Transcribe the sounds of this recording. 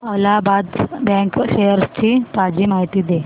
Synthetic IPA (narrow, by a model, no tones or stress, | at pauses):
əlabad̪bɛ̃kɕejəɾst͡ɕit̪ad͡ʑiːmaɦit̪iːd̪e